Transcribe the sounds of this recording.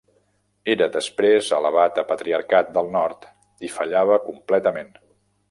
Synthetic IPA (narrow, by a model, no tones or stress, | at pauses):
eɾəðəspɾezələβat̪əpət̪ɾiəɾkat̪̚d̪əlˠnɔɾt̪ | ifəʎaβ̞əkumplɛt̪əmen